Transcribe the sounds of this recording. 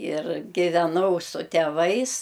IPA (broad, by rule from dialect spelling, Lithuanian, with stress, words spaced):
ɪr ɡʲɪʋʲɛˈnɐʊ sʊ tʲɛˈʋɐɪs